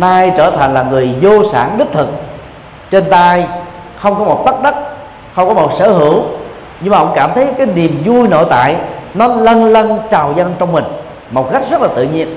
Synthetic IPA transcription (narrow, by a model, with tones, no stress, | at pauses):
naː˧jt͡ɕəː˧˩t̪ʰa˨˩jŋ̟laː˨˩ŋɨ˨˩əjzo˧sa̰ː˧˩nɗɨ˦˥k̚t̪ʰɨ˨˩k̚ | t͡ɕe˧nt̪aː˧j | xə˧wŋ͡mkɔ˨˦mo˨˩t̚t̪ə˦˥ɗə˦˥t̚ | xə˧wŋ͡mkɔ˨˦mo˨˩t̚sə̰ː˧˩ɦɨ˧˩əw | ɲɨ˧ŋmaː˨˩ʔə̰˧˥ŋ͡mkaː˧˩mt̪ʰə˨˦jkaː˨˦jni˨˩əmzu˧jno̰˧˨jt̪a̰ː˧˨jnɔ˨˦lə˧nlə˧nt͡ɕaː˨˩wzə˧nt͡ɕɔ˧wŋ͡mmï˨˩ŋ̟ | mo˨˩t̚ka˦˥jk̟̚zə˦˥t̚laː˨˩t̪ɨ̰˧˨ɲi˧ən